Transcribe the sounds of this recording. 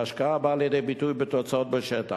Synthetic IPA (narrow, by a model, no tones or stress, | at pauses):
aʃkaabaːljed̪ejbit̪ujbet̪ot͡saot̪̚beʃɛta